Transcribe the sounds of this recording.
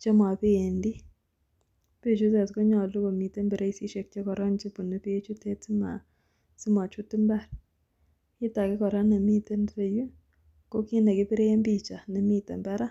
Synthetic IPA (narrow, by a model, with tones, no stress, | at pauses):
t͡ʃɔ˦ma˨pe˦e˨ndi˦ | pe˦˨t͡ʃu˦t̬e˨tkɔ˦ɲɔ˨lu˦ko˨mi˨te˦mbɛ˨ɾe˦i˦si˦ʃe˨k̚t͡ʃe˦kɔ˨ɾɔ˦nt͡ʃi˦pu˨ne˨pe˦e˦t͡ʃu˦tɛ˦ti˦ma̰˨ | si˦ma˨t͡ʃu˦ti˦mba˦˨r | ɪ˦ta˨kɪ˦kɔ˨ɾɔ˦nɛ˨mi˦te˦npe˨ju˦ | ko˦ki˦nɛ˨kɪ˦pi˦ɾe˦je˦mbi˦t͡ʃa˨nɛ˨mi˦tɛ̰˨mbɛ˦ɾa˦